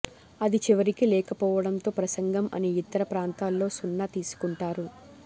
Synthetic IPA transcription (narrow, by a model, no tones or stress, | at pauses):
ɐd̪it͡ʃiʋɐɾikilɛːkɐpɔːʋɐɽɐnt̪o̞ːpɾɐsɐŋɡɐmɐ̰niit̪ɐɾɐpɾaːnt̪aːlːo̞ːsunːɐt̪iːsu̥kuɳʈaːɾu